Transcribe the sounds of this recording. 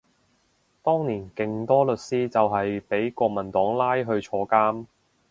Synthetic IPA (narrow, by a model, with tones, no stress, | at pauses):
t̪ɔː˥ŋniː˨˩nkɪ˨ŋt̪ɔː˥lɵ˨t̚siː˥t͡sɐ˨wɦɐ˨jpe˨˥jkʷɔː˧k̚mɐ˨˩nt̪ɔː˨˥ŋlaː˥jɦɵ˧ɥt͡ʃʰɔː˧kaː˥m